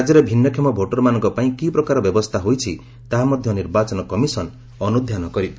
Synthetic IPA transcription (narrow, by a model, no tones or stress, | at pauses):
d͡ʒɔɾebʱinːɔkʰimɔbʱoʈɔɾɔmanɔ̃ŋkɔpaĩkipɾɔkaɾɔbjɔbɔst̪ʰaɦojt͡ʃʰi | t̪aɦamɔd̪ʱjɔniɾbat͡ʃɔnɔkɔmisɔn | ɔnud̪ʱjanɔkɔɾit̪